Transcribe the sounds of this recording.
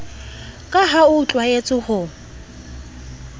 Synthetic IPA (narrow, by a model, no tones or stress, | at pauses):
kʼaɦaʊt͡ɬʼwaet͡sʼʊhʊ